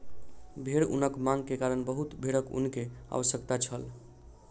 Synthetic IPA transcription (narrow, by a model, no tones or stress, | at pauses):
bʱeɽṵnəkmãŋɡ̚kekaɾəɳbəɦut̪bʱeɽəkṵnkea̰ʋəsjəkt̪at͡ʃʰəl